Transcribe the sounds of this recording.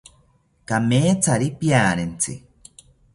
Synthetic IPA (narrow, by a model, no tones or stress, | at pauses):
kameːt͡saɾipjaːɾent͡sḭ